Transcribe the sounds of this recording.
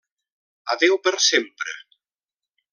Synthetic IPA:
a̰ðewpeɾsempɾḛ

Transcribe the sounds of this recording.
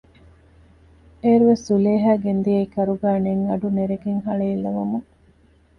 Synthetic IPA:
eːɾuʋesuleːɦæːɡend̪iɐikɐɾuɡæːneŋɐɖuneɾeɡeŋɦɐɭeilːɐʋɐmuŋ

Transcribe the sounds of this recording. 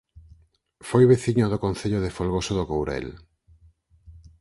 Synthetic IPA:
fojβeθiɲoðokonθeʎoðefolɣosoðokowɾɛ̰l

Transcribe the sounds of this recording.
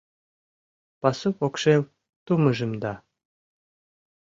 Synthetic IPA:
pɑsupokʃew | t̪umə̆ʒə̆md̪ɑ

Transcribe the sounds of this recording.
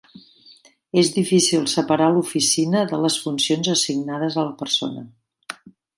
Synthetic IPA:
ezðifisilˠsəpəɾalufisinəðələsfunsionzəsiɡnaðəzələpəɾso̰nə̰

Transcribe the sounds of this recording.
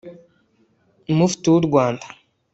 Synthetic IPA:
numufi̥tuwuɾɡwaːndḁ

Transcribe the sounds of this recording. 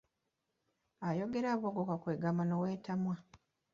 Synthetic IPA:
ajo̞ɡe̞ɾaːβoɡokakweːɡamanoweːtamwa

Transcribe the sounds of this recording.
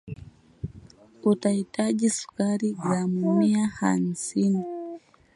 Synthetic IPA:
utahitaʄisu̥kaɾizamumiaha̰m̩sini

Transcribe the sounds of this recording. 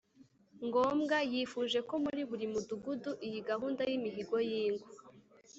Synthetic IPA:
ŋɡoːmɡajiːfuʒe̞ko̞muɾiβuɾimuduɡuduʔijiɡaɦuːndajimiɦiɡo̞jiːŋɡu

